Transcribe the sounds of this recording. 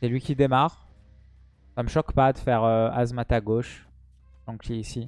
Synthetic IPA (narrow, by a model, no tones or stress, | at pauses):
sɛlɥikʲid̪emaːʁ | saməʃɔkpad̪əfɛʁøazmat̪aɡoʃ | ʒɑ̃kiisi